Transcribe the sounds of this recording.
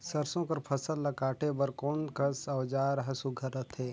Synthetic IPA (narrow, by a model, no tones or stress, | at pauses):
sɐɾsõkɐɾpʰɐsəlːɐkaːʈʰebɐɾkɔːnkɐsɐʋd͡ʒaːɾɦɐsuɡʱɐɾət̪ʰɦeː